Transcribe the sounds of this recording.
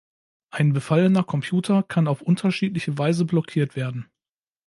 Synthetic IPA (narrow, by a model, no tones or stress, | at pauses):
ʔaɪnbəfalənɐkʰɔmpʰj̥uːtʰɐkʰanaʊfʔʊntʰɐʃiːtlɪçəvaɪzəblɔkʰiːɐtv̥eːɐdn̩